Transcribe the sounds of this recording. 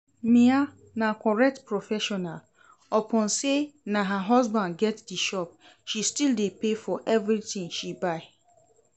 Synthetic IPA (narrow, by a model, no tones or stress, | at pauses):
mĩa | nakʰɔɹɛk̚tpʰɹɔfɛʃɔnal | ɔpʰɔ̃nsenãɦaɦɔzbãndɡɛtdiʃɔp̚ | ʃistildepefɔʔɛvɹitĩŋʃibaɪ